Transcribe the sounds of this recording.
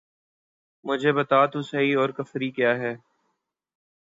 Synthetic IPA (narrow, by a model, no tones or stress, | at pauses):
mʊd͡ʒʱebɐt̪aːt̪ũsɐiɔːɾkɐfɾikjaːɦɛː